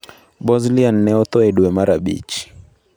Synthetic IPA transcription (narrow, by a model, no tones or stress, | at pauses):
bɔzlian̩ːɛɔt̪ɔɛɗuɛmaɾaɓḭt͡ʃi̥